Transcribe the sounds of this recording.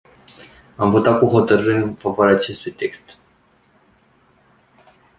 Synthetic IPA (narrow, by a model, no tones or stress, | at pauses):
amvo̞t̪at̪̚kuɦo̞t̪əɾɨɾeɨnfavoaɾeaːt͡ʃe̞st̪ujt̪e̞kst̪